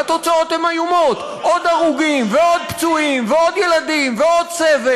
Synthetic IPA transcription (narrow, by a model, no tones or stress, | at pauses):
at̪o̞t͡sao̞t̪hemajumo̞t̪ | ʔo̞d̪aʁuɡimveod̪̚pt͡suimveo̞d̪je̞lad̪imveo̞d̪̚t͡seve